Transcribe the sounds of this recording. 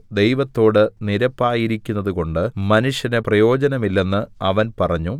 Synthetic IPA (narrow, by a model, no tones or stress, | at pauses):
d̪ejʋɐt̪ːo̞ːɽɨniɾɐpːaːjiɾikʲːunːɐðuko̞ɳɖɨmɐnuʂjɐneprɐjo̞ːd͡ʑɐnɐmilːe̞nːɨɐʋɐnpɐrɐɲːu